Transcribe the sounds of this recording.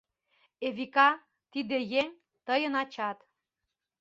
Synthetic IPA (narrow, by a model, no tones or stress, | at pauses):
eβikɑ | t̪id̪ejeŋ | t̪ɤjɤ̆nɑt͡ɕɑt̪